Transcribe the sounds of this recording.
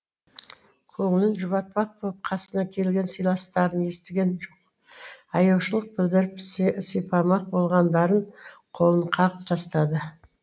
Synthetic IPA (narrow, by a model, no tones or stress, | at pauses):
qʰoɴənənʒʊβɑt̪̚pɑq̚bʰop̚qʰɑsənɑkʲʰe̞lɡʲe̞nsijlˠɑst̪ɑɾəne̞st̪ɪɡʲe̞nʒoq | ɑjɑwʃəlˠəq̚bɪld̪ɪɾɪpssejpɑmɑq̚bo̞lˠʁɑnd̪ɑɾəɴqʰo̞lˠəɴqʰɑʁəp̚t̪ʰɑst̪ɑd̪ə